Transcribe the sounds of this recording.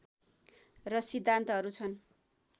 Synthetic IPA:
rʌsid̪ʱːant̪ʌʌɾut͡sʰʌn

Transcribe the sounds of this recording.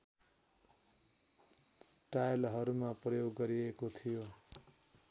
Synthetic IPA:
ʈajlɦʌɾumaprʌjoɡːʌɾiekot̪ʰijo

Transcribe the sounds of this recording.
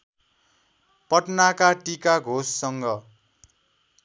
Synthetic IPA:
pʌʈnakaʈikaɡʱosːʌŋɡʌ

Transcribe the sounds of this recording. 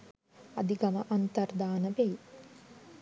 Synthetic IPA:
ɐd̪iɡɐməʔant̪ɐrd̪aːnəbei

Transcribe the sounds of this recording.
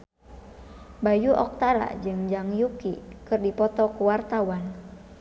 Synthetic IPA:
bajuʔɔk̚t̪aɾa̰d͡ʒɨŋd͡ʒaŋjukikɨrdipɔt̪ɔkuwart̪awan

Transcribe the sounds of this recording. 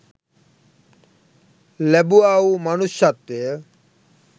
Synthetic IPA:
lɛbuawmanuʃːat̪ːe

